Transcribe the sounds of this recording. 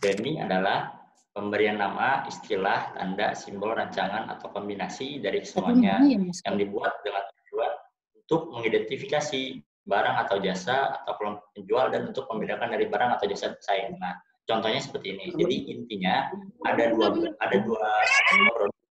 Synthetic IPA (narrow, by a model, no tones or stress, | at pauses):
tənia̰dalah | pəmbəɾianːamaist̪ilaht̪a̰nda̰ʔsimbɔlraɲt͡ʃaŋana̰t̪awkɔmbinasidaɾisəmuaɲajaŋdibuat̪̚dəŋanpəməd͡ʒuan | unt̪ʊk̚məŋidɛnt̪ifikasi | baɾaŋat̪awd͡ʒasa̰ːt̪awklɔmpəɲd͡ʒualdanunt̪ʊk̚məmbedakandaɾibaɾaŋat̪awd͡ʒasasaɪnnah | t͡ʃɔnt̪ɔhɲasə̥pərt̪iːnid͡ʒadiʔint̪iɲaadaduaadaduaːdaduapəɾodʊk̚